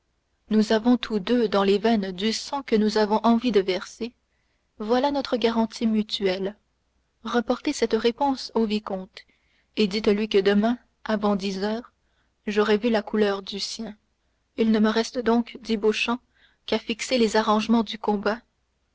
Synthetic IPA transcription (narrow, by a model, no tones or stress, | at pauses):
nuzavɔ̃t̪ʰud̪ød̪ɑ̃levɛnd̪ysɑ̃kənuzavɔ̃ʔɑ̃vid̪əvɛʁse | vwalanɔt̪χəɡaʁɑ̃t̪ʰimyt̪yɛl | ʁəpɔʁt̪esɛt̪ʁepɔ̃sovikɔ̃t̪ | ed̪it̪lɥikəd̪əmɛ̃ | avɑ̃d̪izœːʁ | ʒɔʁɛvylakʰulœːʁd̪ysjɛ̃ | ilnəməʁɛst̪əd̪ɔ̃kd̪iboʃɑ̃ | kafikselezaʁɑ̃ʒmɑ̃d̪ykɔ̃ba